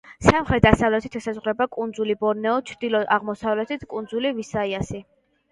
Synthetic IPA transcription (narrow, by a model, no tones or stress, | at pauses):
samχɾɛt̪̚d̪asavlɛt̪ʰi̥t̪ʰɛsazʁɾɛbakʼund̪zulibɔɾnɛɔt͡ʃʰɾd̪̥ilɔʔaʁmɔsavlɛt̪ʰit̪ʰkʼund̪zulivisaiasi